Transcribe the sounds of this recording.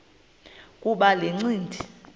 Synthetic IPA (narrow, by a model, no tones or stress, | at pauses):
k̬ʼuɓaleŋ͡ǀiːndʱi